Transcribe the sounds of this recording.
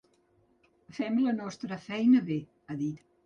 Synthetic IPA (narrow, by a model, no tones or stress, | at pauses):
fɛmlənɔst̪ɾəfɛjnəβe | əðit̪